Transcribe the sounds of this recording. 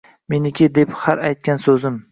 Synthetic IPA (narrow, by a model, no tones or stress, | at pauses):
me̞nɪkʲɪd̪e̞phaɾajt̪̚kʲansɵzɪm